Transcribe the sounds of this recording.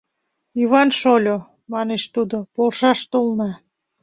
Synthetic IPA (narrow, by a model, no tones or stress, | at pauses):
iβɑnʃolʲo | mɑneʃt̪ud̪opolʃɑʃt̪olnɑ